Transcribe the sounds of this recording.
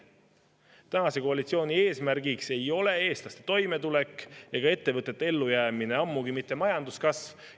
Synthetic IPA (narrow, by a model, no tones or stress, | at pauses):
t̪ænɑse̞ko̞ɑlit̪sio̞ːnʲie̞ːsmæɾɡikse̞jo̞le̞e̞ːst̪lɑst̪e̞t̪o̞jme̞t̪ulekːˑeɡ̥ɑe̞t̪ːe̞vɤt̪ːˑet̪ːee̞lːujæːmine̞ɑmːuɡimit̪ˑːe̞mɑjɑnd̪uskɑsv